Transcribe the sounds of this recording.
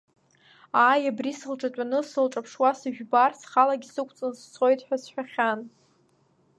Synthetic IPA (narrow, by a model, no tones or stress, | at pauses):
aːjabrisɨlʈ͡ʂʼatʷʼanɨsɨlʈ͡ʂʼapʰʂwasɨʒᶣbarsχalaɡʲisɨkʷʰt͡sʼɨnst͡sʰo̞jtʼħʷᶣasħʷᶣaχʲan